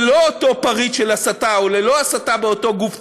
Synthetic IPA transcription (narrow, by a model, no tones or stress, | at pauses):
lo̞oto̞paʁitʃelasataolelo̞asatabeoto̞ɡuf